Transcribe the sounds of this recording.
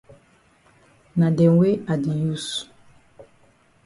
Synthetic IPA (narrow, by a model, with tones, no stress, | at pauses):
nã˨dɛ˨we˦a˨di˨ju˦˨s